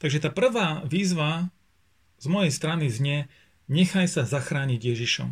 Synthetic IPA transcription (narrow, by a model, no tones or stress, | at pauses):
t̪aɡʒɛt̪aːpr̩ʋaːʋiːzʋa | zmɔjɛjst̪ɾanizɲɛ | ɲɛxajsazaxɾaːɲiɟjɛʒiʃɔ̰m